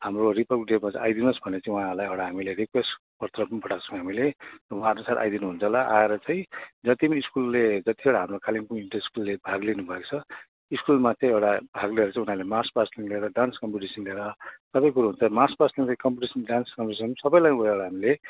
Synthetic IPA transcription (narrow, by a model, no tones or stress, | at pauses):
ɦamroripʌrkɖemat͡sajd̪inosbʱʌnet͡sãĩuɦãlajewɽaɦamileɾikwesʈ | pʌrt̪rʌpʌ̃pʌʈat͡sʰʌ̃w̃ɦamilewãrnosat̪ʔa̰jd̪inuɦunt͡sʰʌlaʔaeɾʌt͡sãĩd͡zʌt̪imaiskulːed͡zʌt̪iewɽaɦamrokalimkoiʈʌiskulːebʱaɡlinubʱʌekt͡sʰʌ | iskulmat͡sʌ̃ĩewɽabʱaɡleeɾʌt͡sãĩunalemarspasliŋleeɾʌɖanskʌmpiʈisʌnleeɾʌsʌbʌ̃j̃kuɾaɦunt͡sʰʌmarspasliŋt͡sʌkʌmpuʈisʌnɖanskʌmpiisʌnsʌbʌjlajueɽaɦamile